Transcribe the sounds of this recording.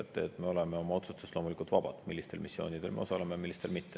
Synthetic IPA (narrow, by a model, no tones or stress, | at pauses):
et̪ˑːeːt̪me̞o̞leme̞o̞mɑo̞t̪sust̪u̥st̪ːlo̞mulikult̪vɑbɑd̪̥milːist̪e̞lmisːjo̞ːnid̪̥e̞lmeo̞sɑlemejɑmilːist̪e̞lmit̪ːe